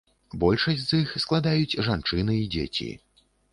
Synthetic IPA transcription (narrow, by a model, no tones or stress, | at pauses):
bɔlʲʂɐsʲzixsklˠad̪ajut͡sʲʐant͡ʂɨnɨid͡zʲḛt͡sʲḭ